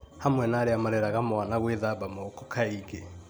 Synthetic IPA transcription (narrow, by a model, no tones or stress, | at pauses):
hamwɛnaɾeamaɾɛɾaɣamwanaɣweðabamokɔkʰaiɣe